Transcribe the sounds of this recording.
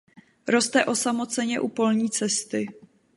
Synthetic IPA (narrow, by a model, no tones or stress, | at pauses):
ɾo̞st̪ɛʔo̞samo̞t͡sɛɲɛʔupo̞lɲiːt͡sɛst̪ɪ